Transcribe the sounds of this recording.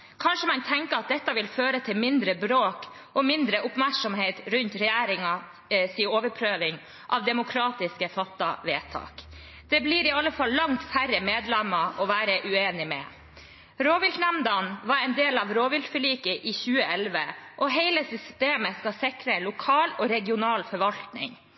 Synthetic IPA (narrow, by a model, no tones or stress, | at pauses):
kʰɑnʂəmɑnt̪ʰɛŋkəɑt̪̚d̪ɛt̪ːɑʋɪlføːɾət̪ʰɪlmɪnd̪ɾəbɾoːk | ʔɔmɪnd̪ɾəʔʊpmæɾʂɔmheɪt̪ɾʉnt̪ɾɛjæːɾɪŋɑ | siːoːʋəɾpʰɾøːʋɪŋ | ʔɑ̰ʋd̪ɛmʊkʰɾɑːt̪ɪskəfɑt̪ːɑ̰ʋeːt̪ʰɑ̰ːk | d̪̥ɛbliːɾɪɑlːəfɑlːɑŋt̪fæɾəmeːd̪lɛmɑʔɔʋæːɾəʔʉeːnɪmɛ̰ | ɾoːʋɪlt̪næmd̪ɑnʋɑɾɛɪnd̪eːlɑʋɾoːʋɪlt̪fəɭiːkəʔɪçʉːəɛlʋəʔɔɦeɪləsʏst̪eːməskɑsɪkɾəlʊkʰɑːlɔɾɛɡɪʊnɑːlfɔɾʋɑlt̪nɪ̰ŋ